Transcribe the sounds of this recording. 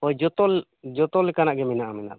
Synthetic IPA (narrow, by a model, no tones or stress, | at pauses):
ɔjd͡ʒɔt̪ɔl | d͡ʒɔt̪ɔlɛkanaʔɡɛmɛnaʔamɛna̰ʔ